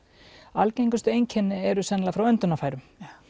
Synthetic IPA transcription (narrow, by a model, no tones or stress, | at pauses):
alcejŋkʏst̪ʏejɲcʰɛnːɪɛɾʏsɛnlafɾawœnt̪ʏnafaːjɾʏm